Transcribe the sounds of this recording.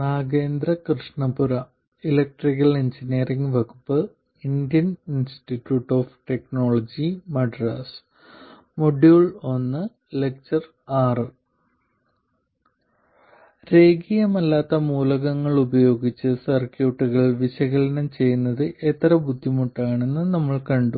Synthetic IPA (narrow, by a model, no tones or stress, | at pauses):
naːɡe̞ːnd̪ɾɐkrɨʂɳɐbuɾɐ | ilɐk̚ʈrikːɐleɲd͡ʑiniːriŋɡʋɐkupːɨ | ind̪ijɐninstiʈːjuːʈːo̞ːfʈe̞kno̞ːɭɐd͡ʑimɐɖraːs | moɖjuːɭo̞nːɨ | lek̚t͡ɕɐr | aːrɨ | ɾe̞ːɡijɐmɐlːaːt̪ːɐmuːlɐɣɐŋːɐɭubɐjo̞ːɡit͡ɕːɨsɐrkjuːʈːuɣɐɭʋiɕɐɣɐlɐnɐmt͡ɕe̞jːunːɐðɨʔet̪ːɐɾɐbʱud̪ʱːimuʈːaːɳe̞nːɨnɐmːɐɭkɐɳɖu